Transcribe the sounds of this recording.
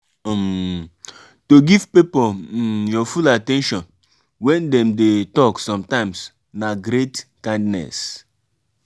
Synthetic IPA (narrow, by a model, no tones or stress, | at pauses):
m | toɡivpipojɔfulatɛ̃nʃɔ̃n | wɛ̃ndɛ̃mdetɔksɔ̃mtãɪ̃ms | naɡɾetkãɪ̃ndnɛ̰s